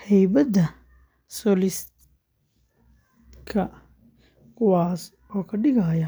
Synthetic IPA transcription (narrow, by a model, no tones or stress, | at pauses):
hɛjbɐd̪ɐ | sɔːlɪst̪ | kʰɐ | kʰʊwɑːs | ɔːkʰɐɖɪɣɐjɐ